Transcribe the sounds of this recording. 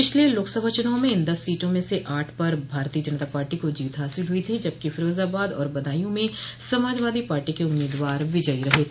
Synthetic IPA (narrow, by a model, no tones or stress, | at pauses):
pɪt͡ʃʰlieloːksɐbʱaːt͡ʃʊnaːõmẽɪ̃nd̪ɐsːiːʈõmẽseʔaːʈʰpɐɾbʱaːɾt̪iːəd͡ʒɐnt̪aːpaːɾʈikod͡ʒiːt̪ɦaːsɪlɦʊit̪ʰid͡ʒɐb̚kifʰɪɾoːzaːbaːd̪ɔ̰ːɾbɐd̪aːjõmẽsɐmaːd͡ʒʋaːd̪ipaːɾʈikeʊmːeːd̪ʋaːɾʋɪd͡ʒəiɾɐɦet̪ʰː